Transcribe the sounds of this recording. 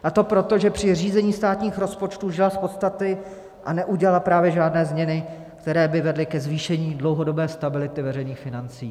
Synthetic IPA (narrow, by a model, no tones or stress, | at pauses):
ʔat̪o̞pɾo̞t̪o̞ʒɛpr̝̥ɪr̝iːzɛɲiːst̪aːt̪ɲiːxɾo̞spo̞t͡ʃt̪uːʒɪlaspo̞t̪st̪at̪ɪ | ʔanɛʔuɟɛlalapɾaːvjɛʒaːdnɛːzmɲɛnɪ | kt̪ɛɾɛːbɪvɛdlɪkɛzviːʃɛɲiːdlo̞wɦo̞do̞bɛːst̪abɪlɪt̪ɪvɛrɛjniːxfɪnant͡sḭː